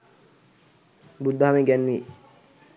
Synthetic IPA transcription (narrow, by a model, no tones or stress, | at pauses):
bud̪ːaɦamiɡɛnʋi